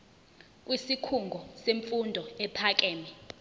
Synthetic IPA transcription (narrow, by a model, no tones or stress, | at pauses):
k̬ʼwisikʰuŋɡʱɔseɱfundʱɔɛpʰak̬ʼɛːmɛ